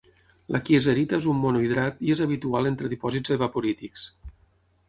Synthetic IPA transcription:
lʔakiezeɾit̪aezumːonoiðɾat̪iezaβit̪ualent̪ɾəðipɔzizðeβapoɾit̪iks

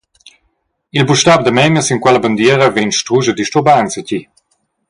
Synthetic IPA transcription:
ilbuʃtab̚d̪əmɛmjəsiŋkwɛlɐband̪iːɾəvenʃtʁuʒəd̪iʃtobansaci

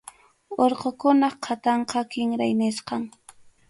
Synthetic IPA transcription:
oɾqokʊnɑχqʰat̪ɑɴqɑkɪŋɾajnɪsqɑŋ

